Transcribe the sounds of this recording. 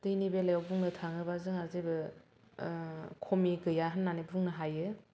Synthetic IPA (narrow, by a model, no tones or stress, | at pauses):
dɯjnibelajawbuŋnɯtʰaŋɯbazɯŋazebɯ | kʰomiɡɯjaɦɯnːanibuŋnɯɦajɯ